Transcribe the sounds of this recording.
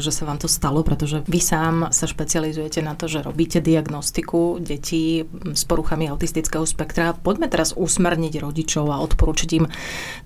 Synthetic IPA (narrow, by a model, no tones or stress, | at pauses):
ʒɛsaʋaːmt̪ɔst̪alɔpɾɛt̪ɔʒɛʋisaːmsaʃpɛt͡sializujɛcɛnat̪ɔʒɛɾɔbiːcɛd̪iaɡnɔst̪ikuɟɛcʰiː | spɔɾuxamiaʊt̪ist̪it͡skɛːɦɔspɛkt̪ɾapɔɟmɛt̪ɛɾazusmɛɾɲiɟɾɔɟit͡ʃɔʊaɔt̪pɔɾuːt͡ʃiɟim